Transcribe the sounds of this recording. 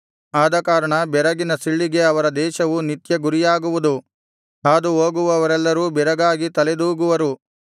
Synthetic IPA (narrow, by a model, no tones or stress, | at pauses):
aːd̪ɐkaːɾɐɳɐbɛɾɐɡinɐsiɭːiɡe̞ɐʋɐɾɐd̪ɛːʃɐʋunit̪jɐɡuɾijaːɡuʋud̪u | aːd̪uɦoːɡuʋɐːʋɐɾɛlːɐɾuːbɛɾɐɡaːɡit̪ɐled̪uːɡuʋɐɾu